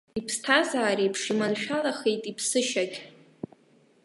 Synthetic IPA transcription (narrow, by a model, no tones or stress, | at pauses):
ipʰstʰazaːɾejpʰʂimanʃᶣalaχejtʼipʰsɨʃaɡʲʼ